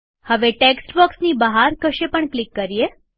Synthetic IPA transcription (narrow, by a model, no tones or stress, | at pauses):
həʋeʈeksʈbɔksnibəɦaɾkəʃepəɳklikːəɾije